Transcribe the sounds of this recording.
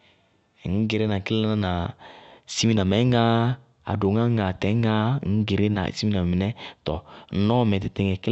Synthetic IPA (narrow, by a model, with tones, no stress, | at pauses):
ŋ̩˦ɡe˨ɾe˦nã˨kɪ˦le˦nã˦nã˨ | si˦mi˦nã˨mɛ̃˨˦ã˦ | a̰˨do˨ŋã˦a˨tɛ˨˦a˦ŋ̩˦ɡe˨ɾe˦na̰˨si˦mi˦nã˨m˨mɪ˨nɛ˦tɔ˨n̩˦nɔ̃˦mɛ̃˨tɪ˨tɪ˨ŋɛ˨kl